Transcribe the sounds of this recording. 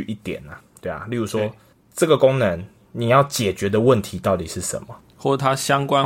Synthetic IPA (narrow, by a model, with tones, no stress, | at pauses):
ʔi˥˩t̪jɛ̰˨˩˦na˨t̪we˥˩ɪa̰˩ly˥˩ɾu˧˦ʂwɔ˦˥ | ʈ͡ʂə˥˩ɡə˩ko˦ŋnə˨˦n | ni˨˩jɑ˥˩ʊt͡ɕjɛ˨˩t͡ɕɥɛ˨˦d̪ə˨wə˥˨nt̪ʰi˨˦t̪ɑ˥˩ʊt̪i˨˩ʂɻ̩˥˩ʂə̰˧˦nmə˨ | xwɔ˥˩t̪ʰa˦ɕjɑ˦ŋkwa˦n